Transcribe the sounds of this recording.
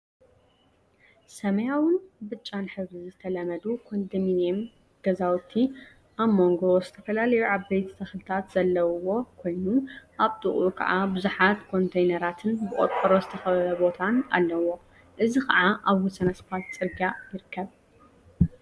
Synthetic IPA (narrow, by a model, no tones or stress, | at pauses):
sɐmɐjawʊnbɨt͡ʃʼːanħɨβzizɨt̪ʰɐlɐmɐd̪ukʰond̪ɨminem | ɡ̥ɐzawt̪ʰːi | ʔaβmo̞ŋɡo̞zɨt̪ʰɐ̥fɐlalɐjuʔaβbejt̪ʰt̪ʰɐxlɨt̪ʰat̪z̥ɐlːɐwo̞kʰo̞jnuʔaβt̪ʼɨχʼukʰɐ̰ʕabɨzuħat̪kʰo̞nt̪ʰɐjnɐɾat̪ʰɨnbɨʔʼot̪ʼɐɾo̞zɨt̪ʰɐxɐβɐlɐbo̞t̪ʰana̰lːɐwo̞ | ʔɨzikɐ̰ʕaʔaβwɔsɐnɐsbʰat̪t͡sʼɨɾɡajɪɾɨkʰːɐβ